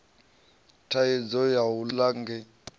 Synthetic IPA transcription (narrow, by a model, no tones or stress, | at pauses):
tʰaid͡zɔjawulaŋɡɛ